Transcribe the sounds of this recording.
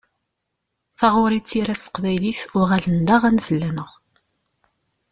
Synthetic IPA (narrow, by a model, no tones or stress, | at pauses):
θɑʁʊɾit͡sːiɾæst̪ə̥qvæjliθʊʁælənd̪æʁænfəlːænəʁ